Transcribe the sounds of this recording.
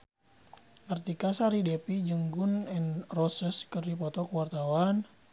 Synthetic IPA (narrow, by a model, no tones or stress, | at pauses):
nərt̪ikasaɾidepid͡ʒəŋɡunɛnrɔsəskərdipɔt̪ɔkəwart̪awan